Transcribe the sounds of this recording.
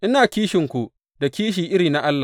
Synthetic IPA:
ʔɪ˦naː˨kʲiː˦ʃɪ˨ŋkʷu˨ | da˨kʲiː˦ʃ̬iː˨ʔɪ˦ɽiː˨na˦ʔa˦lːa˨

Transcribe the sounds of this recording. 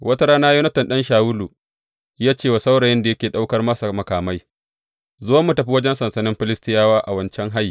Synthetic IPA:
wɐ˦ta˦ɾaː˦naː˦ju˦nɐ˦tɪ˨nɗɐ˦nʃaː˨wu˦lu˨ | jaː˦t͡ʃeː˦˨wa˨sa˦wɽa˨jɪ˦nda˨jɐ˦kʲeː˨ɗa˦wkɐ˦rmɐ˦sa˨mɐ˨kaː˨ma˦j | zʊ˦a˦mːu˨tɐ˨ɸi˦wɐ˦d͡ʒɛ˦nsɐ˨nsɐ˨nɪ˦mɸɪ˦lɪ˦stɪ˦jaː˦waː˦ʔa˨wɐ˦nt͡ʃɛ˦ŋɦa˦jiː˨

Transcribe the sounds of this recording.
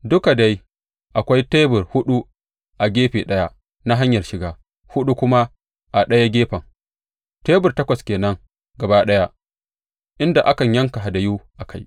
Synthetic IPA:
dʊ˦ka˨da˦j | ʔa˨kʷa˦jteː˦bʊ˨rhʊ˦ɗu˦ | ʔa˨ɡʲeː˦ɸeː˨ɗɐ˦ja˦ | na˦ɦa˦ɲjɐ˨rʃɪ˨ɡaː˨ | hʊ˦ɗu˦kʷʊ˦ma˦ | ʔa˨ɗɐ˦ja˦ɡʲeː˦ɸɐ˨ŋ | teː˦bʊ˨rtɐ˦kʷɐ˨skʲeː˨nɐ˦ŋ | ɡɐ˨baː˦ɗɐ˦ja˦ | ʔɪ˦nda˨ʔa˦kɐ˨ɲjɐ˦ŋka˨ɦa˨da˨ju˦ʔa˨kʰa˦j

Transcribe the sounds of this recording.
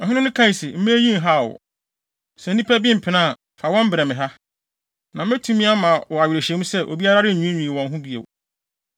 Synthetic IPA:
ɔ˨ɦɪ˦nʊ̃˦nʊ̃˦kʰã˦i˨si˨m̩˦me˦jĩ˦n˨ɦa˦˨wʊ̰˨ | sɛ˨n̩˦ĩ˦pʰæ˦bɪ̃˦m̩˨pʰɪ˨nã˦˨ | fa˨wɔ̃˦m̩˦bɪ˨ɾɛ˨mɪ̃˨ɦa˦ | nã˨m˦ɪ̃˦tʰũ˦mĩ˦a˦mã˨wɔ˨a˨ɥɪ˨ɾe˨ɕɛ˨˦ũ˦sɛ˦ʔo̰˨bi˦a˦ɾa˦ɾɪ˦˨ũ˦ɲᶣĩ˨wɔ̃˨n˦ɦũ˦bi˦ḛ˨w

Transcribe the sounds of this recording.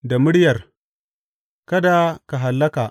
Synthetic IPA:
da˨mʊ˦ɽjɐ˨r | kɐ˦da˨ka˨ɦa˨lːɐ˦ka˨

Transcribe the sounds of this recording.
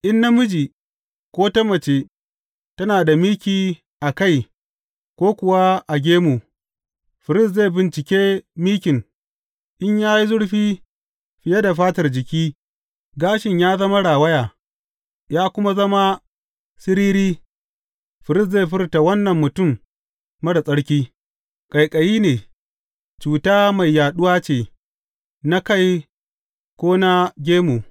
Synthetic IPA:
ʔɪ˦nːa˦mʊ˦d͡ʒi˨ | kʷoː˦tɐ˦mɐ˨t͡ʃe˦ | tɐ˦naː˨da˨miː˦kʲiː˨ | ʔa˨ka˦˨j | kʷoː˦kʷʊ˨wa˦ʔa˨ɡʲeː˦mu˨ | ɸɪ˨ɾɪ˦sze˦˨bɪ˨nt͡ʃɪ˨kʲeː˦miː˦kʲɪ˨ŋ | ʔɪ˦ɲjaː˦ji˦zʊ˦ɽɸiː˦ | ɸɪ˨ja˦da˨ɸaː˦tɐ˨rd͡ʒɪ˨kʲiː˦ | ɡaː˦ʃɪ˨ɲjaː˦zɐ˦ma˦ɽaː˨wɐ˦jaː˨ | jaː˦kʷʊ˦ma˦zɐ˦ma˦ | sɪ˦ɾiː˦ɾiː˦ | ɸɪ˨ɾɪ˦s̬ze˦˨ɸɪ˦ɾta˨wɐ˦nːɐ˨mːʊ˨tʊ˦˨mː | ɐ˦ɽa˨sʼɐ˦ɽkʲiː˦ | kʼɐ˨jkʼɐ˨jiː˦neː˨ | t͡ʃuː˨taː˦ma˨jːaː˨ɗʊ˦waː˦t͡ʃeː˨ | na˦ka˦˨j | kʷoː˦na˦ɡʲeː˦mu˨

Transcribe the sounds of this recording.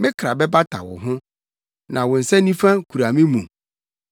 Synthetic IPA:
mɪ̃˦kʰɾa˨bɛ˦ba˦tʰa̰˨wɔ̰˨ɦʊ̃˦ | nã˨wɔ̃˨n̩˨sɛ̃˦nĩ˦fã˦kʰu˨ɾa˨mɪ̃˦mũ˨

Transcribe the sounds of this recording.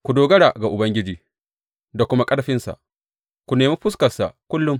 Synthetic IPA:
kʷu˨doː˨ɡɐ˦ɽaː˨ɡa˨ʔʊ˨bɐ˦ŋɡʲɪ˦d͡ʒiː˦ | da˨kʷʊ˦ma˦kʼɐ˦ɽɐ˨ɸɪ˦nsa̰˨ʔ | kʷu˨neː˨miː˦ɸʊ˦s̬kɐ˨sa̰˨kʷʊ˦lːʊ˦m

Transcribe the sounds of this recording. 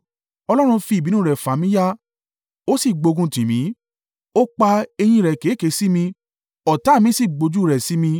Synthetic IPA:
ɔ˧lɔ˦ɾ̃ũ˧fi˧˨bi˨˦nũ˦˨ɾɛ˨fa˨˦mĩ˨˦ja˦ | o˦si˦˨ɡ͡bo˧ɡũ˧tĩ˨mĩ˨˦ | o˦k͡pa˧e˧j̃ĩ˧ɾɛ˨ke˨˦˨ke˨˧˦si˦mĩ˧ | ɔ˨ta˨˦˨mĩ˨˦si˦˨ɡ͡bo˧d͡ʒu˦˨ɾɛ˨si˨˦mĩ˧

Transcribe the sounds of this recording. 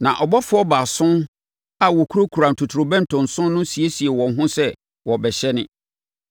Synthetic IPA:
nã̰˨ʔɔ˨bɔ˦fʊ˦ɔ˦ba˨sʊ̃˦n | a˨wɔ˨kʰu˦ɾo˦kʰu˨ɾã˨n̩˨tʰʊ˨tʰɾʊ˨bɛ̃˦n̩˨tʰʊ̃˨nsʊ̃˦nːʊ̃˦si˨e˦si˨e˨wɔ̃˨n˦ɦʊ̃˦sɛ˦ | wɔ˨bɛ˨ɕɛ˦nɪ̃˦

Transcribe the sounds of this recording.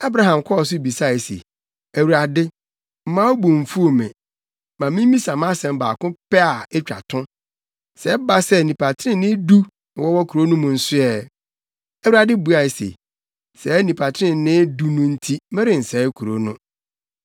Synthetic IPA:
a˦bɾa˦ɦã˨mkʰɔ˦ɔ˨s̬ʊ˦˨bi˨sa˦˨ɛ˨sḛ˨ | æ˨wu˨ɾa˨dɪ˦ | m̩˦mã˦o˦bũ˨ɱ̩˨fu˦o˨mɛ̃˨ | mã˨mĩ˦m˦mĩ˦sa˨mã˦sɛ̃˨m˦ba̰ː˨kʊ̃˦pʰɛ˦a˨ɛ˦t͡ɕᶣa̰˨tʰʊ̃˦ | sɛ˨˦ba˦sɛ˦˨nĩ˨pʰa˨tʰɪ˦ɾɪ̃˦˨nɪ̃˦du˦˨ | wɔ˦wɔ˦kʰu˨ɾo˦nʊ̃˦mʊ̃˨n̩˨sʊ˦ɛ˦˨ | æ˦wu˦ɾa˨dɪ˦bu˦a˨ɛ˨sḛ˨ | sɛ˨˦nĩ˨pʰa˨tʰɪ˦ɪ̃˨nɪ̃˦du˦nʊ̃˦n̩˦tʰi˦mɛ̃˦ɾɪ̃˨n̩˨sɛ˨˦kʰu˨ɾo̰˦nʊ̃˦

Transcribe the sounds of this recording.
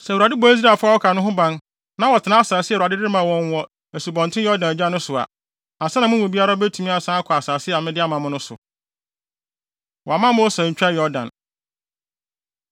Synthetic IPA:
sɛ˨a˨dɪ˦bɔ̃˦i˦s̬ɾa˦˨fʊ˦a˦wɔ˦kʰa˨nʊ̃˦ɦʊ̃˦bã˦n | nã˦wɔ˨tʰɪ˨nã˦a˦˨saː˨sɪ˦ɛ˨ɾa˨dɪ˦dɪ˦ɪ˦mã˨wɔ̃˦n˦wɔ˦ | æ˨su˨bɔ̃˨n˨tʰɪ̃˦jɔ˦dã˨næ˨d͡ʑᶣa˦nʊ̃˦sʊ˨a̰˨ | ã˨sɛ˦nã˨mʊ̃˦ʊ̃˨bi˦a˦ɾa˦bæ˦tʰu˨mĩ˦a˨sã˦a˦kʰɔ˨a˨saː˨sɪ˦˨mɪ̃˦dɪ˦a˦mã˨mʊ̃˦nʊ̃˦sʊ̰˨ | wɔ˨a˨mã˦mʊ̃˦ɔ˦sã˨ɲ̩˨t͡ɕᶣa˦jɔ˦dã̰˨n

